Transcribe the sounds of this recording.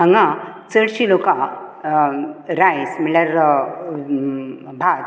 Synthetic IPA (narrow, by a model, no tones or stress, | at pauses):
əŋɡãt͡səɽɕilokã | ɾajsmiɭjaɾ | bʱat